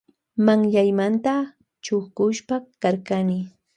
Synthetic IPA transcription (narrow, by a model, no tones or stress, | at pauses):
maŋʎajmant̪a | t͡ʃʊhkʊʃpakaɾkanɪ